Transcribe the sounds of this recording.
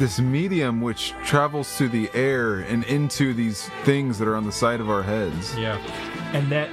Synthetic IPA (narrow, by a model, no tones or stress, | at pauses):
ðɪsmiɾiɨ̃mwɪt͡ʃtʰɹ̥ævl̩ˠz̥tʰɨðiʔɛɹɨ̃nɪ̃ntʰʉðiz̥ | θɪ̃ŋzðɨɾə˞ə̃nðəsaɪɾʌvaʊə˞ɦɛdz̥jæ | ɨ̃nðɨt̚